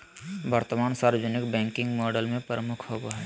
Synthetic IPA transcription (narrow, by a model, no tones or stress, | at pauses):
bəɾt̪əmaːnsaːɾəd͡ʒənɪkbɛ̃ːŋkɪ̃ŋɡmɔːɖəlmẽpɾəmʊkʰɦoɡaɦɛː